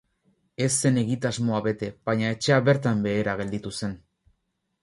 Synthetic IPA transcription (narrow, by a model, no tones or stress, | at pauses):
e̞sːe̞ne̞ɣit̪azmo̞aβe̞t̪e̞baɲae̞t͡ʃe̞aβe̞ɾt̪ambe̞ːɾaɣ̞e̞ld̪it̪use̞n